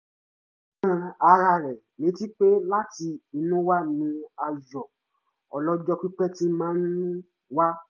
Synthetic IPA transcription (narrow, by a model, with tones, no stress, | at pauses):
ã˧a˧ɾa˧˨ɾɛ˨ | nĩ˨˦ti˦k͡pe˦la˦ti˧i˧nũ˦wa˦nĩ˧˦a˧jɔ˨ | ɔ˨lɔ˦d͡ʒɔ˦k͡pi˦k͡pɛ˦ti˦mãː˨˦n˦ũ˦ | wa˦